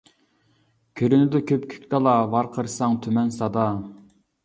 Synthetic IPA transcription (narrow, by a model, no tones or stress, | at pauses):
kʲʰøɾynɪd̪ɛkʲʰøpkʲʰy̥kʲk̪ɑlˠɑvɑɾqʰəɾsɑŋt̪ʰymɛnsɑd̪ɑ